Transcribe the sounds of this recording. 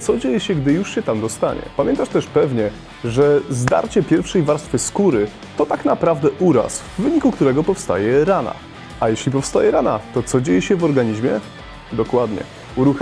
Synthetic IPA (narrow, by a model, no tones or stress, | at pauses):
t̪sɔd͡ʑejɛɕɛɡd̪ɘjuʂɕɛt̪amd̪ɔst̪a̰ɲɛ̰pamʲjɛnt̪aʂt̪ɛʂpɛvɲɛ | ʐɛzd̪a̰ɾt͡ɕɛpʲjɛɾfʂɛjvaɾst̪fɛskuɾɘ | t̪ɔt̪aknapɾavd̪ɛʔuɾa̰svːɘɲikukt̪uɾɛɡɔpɔfst̪a̰jɛɾana̰ | ajɛɕlʲipɔfst̪ajɛɾana̰t̪ɔt̪sɔd͡ʑejɛɕɛvɔɾɡaɲiʑmʲjɛ | d̪ɔkwad̪ɲɛ̰ | uɾux